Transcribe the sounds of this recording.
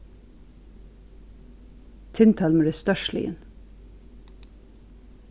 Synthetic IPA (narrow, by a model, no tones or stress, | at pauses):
t̪ʰɪnt̪ʰɑːlmeːd̪ʉːst̪œʃlɪ̰ə̰n